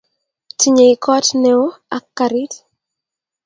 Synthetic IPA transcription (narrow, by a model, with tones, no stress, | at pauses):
tʰiɲe˨ikʰɔ˦tnɛo˦a˦kːaɾi˦t